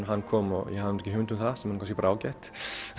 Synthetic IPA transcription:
ɦanːkʰɔːmɔjɛhaðɪnɔt̪ɛ̥cɪhʏmɪnt̪ʏmθaðsɛmhankʰascɪpɾaːwcɛht̪

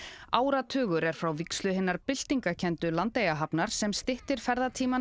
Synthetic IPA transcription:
aːwɾat̪ʰœːɣʏɾɛɾ̥fɾawvikslʏɦɪnːaɾpɪl̥t̪iŋkacʰɛnt̪ʏlant̪ejaɦapnaɾ̥sɛmst̪ɪht̪ɪɾ̥fɛɾðat̪ʰiːma

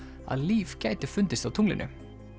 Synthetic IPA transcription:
a̰ðliːv̥cajt̪ɪfʏnt̪ɪst̪awt̪ʰuŋlɪ̰nʔʏ̰

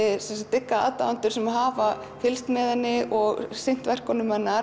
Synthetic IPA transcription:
ɪsɛnsat̪ːɪkːaa̰ːt̪a̰vant̪ʏɾ̥sɛmaðɦaːva | fɪlst̪mɛːðanːɪʔɔɣsɪn̥t̪vɛr̥kɔnʏmːɛnːa

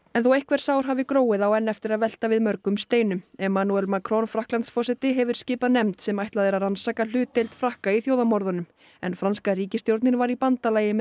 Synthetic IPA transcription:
ɛnθowejhkvɛɾ̥saːwɾ̥ɦavɪkɾoːwɪðawɛnːɛft̪ɪɾaðvɛl̥t̪avɪðmœɾkʏmst̪eːjnʏmɛmanuɛlmakʰɾɔnfɾahklant̪sfɔsɛt̪ɪɦɛvʏɾ̥scɪːpanɛmt̪sɛmajht̪aðɛɾaɾansakalʏːt̪ːejlt̪fɾahkaiθjoːwðamɔɾðanʏm | ɛnfɾanskariːcɪst̪jowɾt̪nɪɾvaɾipant̪alajɪmɛ

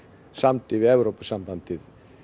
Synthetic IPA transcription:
samt̪ɪvɪɛvɾowpḁsampant̪ɪð

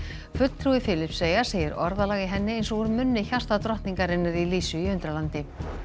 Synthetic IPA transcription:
fʏt̪l̥t̪ʰɾuɪfɪːlɪpseːjḁseːjɪɾʔɔɾðalaːɣɪɦɛnːɪejnsɔɣɔɾmʏnːɪçar̥st̪at̪ɾɔht̪niŋkaɾɪnːaɾiliːsʏiʏnt̪ɾalant̪ɪ

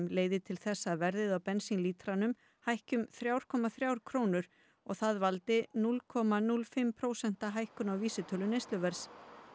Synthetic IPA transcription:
mleːjðɪt̪ʰɪlθɛsːavɛɾðɪðawpɛnsinliːt̪ɾanʏm | hajhcʏmθɾjawɾ̥kʰɔːmaθɾjaːwɾ̥kʰɾoːwnʏɾ̥ | ɔɣθaðvalt̪ɪnulkʰɔmanulfɪmpʰɾoːwsɛn̥t̪aɦajhkʏnawviːsɪt̪ʰœlʏnejst̪ʏvɛɾ̥s

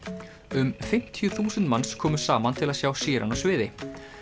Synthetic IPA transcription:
ʏmfɪm̥t̪ʰjʏθuːsɛnt̪manskʰɔːmʏ̥saːmant̪ʰɪlaðsjaːwsiːɾʔa̰nasvɪːðɪ

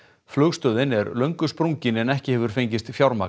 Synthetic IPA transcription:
flœːɣst̪œːðɪnɛɾlœɥŋkʏspɾuɲcɪnɛnɛhcɪhɛvʏɾ̥fejɲcɪst̪fjawɾmaː

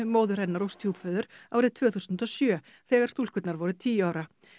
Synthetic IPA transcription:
moːwðʏɾɛnːaɾowst̪ʰjuːpfœːðʏɾ̥aːwɾɪðt̪ʰv̥œːθusʏnt̪ɔsjœː | θɛːɣaɾ̥st̪uːl̥kʏt̪naɾvɔɾʏt̪ʰiːjaːwɾa

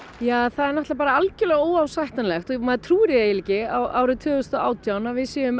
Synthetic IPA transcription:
jaːθaðɛɾnɔht̪lapaːɾaalcʏlɛɣoːwawsajht̪anlɛxt̪ɔmaðt̪ʰɾuːɾjɛjɪliːcɪawʔaːwɾʏt̪ʰʏːɣʏst̪ɔa̰ːwt̪ʰjawnavɪðsiʏm

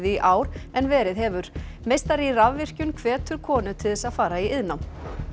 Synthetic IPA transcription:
ðɪiʔaːwɾɛnvɛːɾɪðɦɛvʏɾ̥ | mejst̪aɾiravvɪr̥cʏnkʰvɛːt̪ʏɾ̥kʰɔːnʏt̪ʰɪðθɛsaðfaːɾaiɪðnawm

